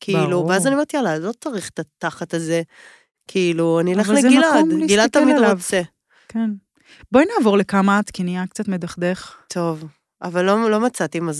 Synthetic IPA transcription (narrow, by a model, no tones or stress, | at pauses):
kʰiiluveazanioeʁt̪ijalalo̞t͡saʁiχet̪at̪aχat̪aze | kʰiːluanioleχvallezeɡilaodmliɡilad̪̚t̪amialavt͡se | ken | bojnaːvo̞ʁle̞kamaːt̪kiniakt͡sat̪medaχd̪eχt̪ʰov | ʔavalːolo̞mat͡sat̪imaz